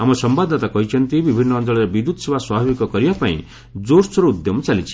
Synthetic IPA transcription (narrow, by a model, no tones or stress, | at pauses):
amʌsʌmbad̪ʱat̪akʌit͡sʰʌnt̪ibibʱinːʌːnd͡zʌɭʌɾebid̪ut̪sebaswabʱabikɔkʌɾijʌpaḭ̃ | d͡zoɾsɾoud̪jɔmt͡salit͡sʰi̥